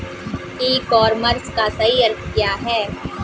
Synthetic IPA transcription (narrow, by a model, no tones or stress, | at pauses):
iːkɔːɾməɾskasɐɦiɐɾt̪jaɦɛː